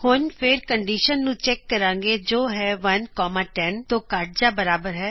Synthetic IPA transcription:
hʊnpʰɪɾkəɳɖiːʃənːũːt͡ʃɛːkːəɾãːŋɡeːd͡ʒoːɦɛːʋənkɔːmaːʈɛnt̪õːkaʈ̚d͡ʒaːbəɾaːbəɾɦɛː

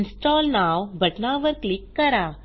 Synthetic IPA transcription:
nsʈɔːlnawbʱɐʈnaʋəɾklikːɐɾa

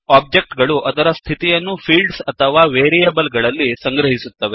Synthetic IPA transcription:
aːb̚d͡ʒe̞k̚ʈɡɐɭuʔɐd̪ɐɾɐst̪ʰit̪ijɐnːupʰiːlɖsɐt̪ʰɐʋaːʋeːɾijebɐlɡɐɭɐlːisɐŋɡɾɐɦisut̪ːɐʋe

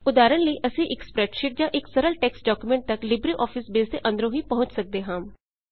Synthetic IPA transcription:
ʊd̪aːɾənləiːʔəsĩːʔɪkspɾɛːʈʃɪʈ̚d͡ʒãːʔɪksəɾəlʈɛːksɖɔːkumɛ̃ɳʈ̚t̪əklɪbɾiːʔɔːpʰɪsbeːsd̪eːʔə̃nd̪əɾõːɦĩːpəɦʊ̃ɲt͡ʃsək̚d̪eːɦãːm

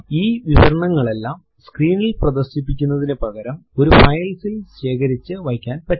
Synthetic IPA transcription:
iːʋiʋɐɾɐɳɐŋːɐɭe̞lːaːm | skriːnilprɐðɐrɕip̬ːikʲːunːɐðinɨpɐɣɐɾɐmo̞ɾufɐjlsilɕe̞ːkɐɾit͡ɕːɨʋɐjkʲːaːnpɐ

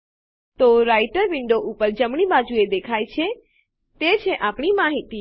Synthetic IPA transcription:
t̪oɾajʈəɾʋɪɳɖoʔupəɾd͡ʒəmɳibad͡ʒued̪ekʰajt͡ʃʰe | t̪et͡ʃʰeʔapɳimaɦit̪i

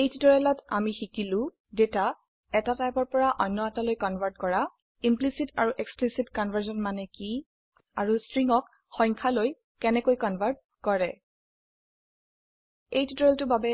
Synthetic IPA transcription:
ejtitɔɹɛlɔtamixikilʊ̃ | deta | ɛtatajpɔɹpɔɹaʔɔjnːɔatalojkɔnbʱaɹt̚kɔɹa | implisitaɹuʔeksplisitkɔnvʱaɹzɔnmanɛki | aɹustɹiŋɔk | xɔjŋkʰaloj | kɛnɛkojkɔnbʱaɹd̚ | kɔɹɛ | ejtutɔɹɛltʊbabɛ

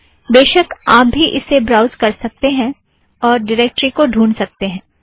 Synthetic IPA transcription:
d̪eːʃəkaːp̚bʱiʔɪsːebɾaːʊzkɐɾsɐk̚t̪eɦɛ̃ | ɔːɾɖɪɾeːk̚ʈɾikoɖʱuːnsɐk̚t̪eɦɛ̃ː

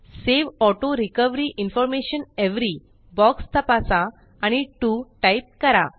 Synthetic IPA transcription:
seʋɔʈoɾikəʋɾiʔinfɔɾmeɕəneʋɾi | bɔkst̪ʰəpasã | aɽ̃iʈuʈajp̚kəɾa

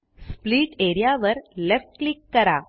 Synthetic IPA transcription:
spliːʈeːɾijaːʋɐɾlefʈklikːɐɾa̰ː

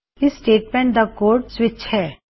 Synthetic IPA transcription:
ɪsːʈeːʈmɛ̃ɳʈ̚d̪ɐkoːɾʈsʋɪt͡ʃhɛː

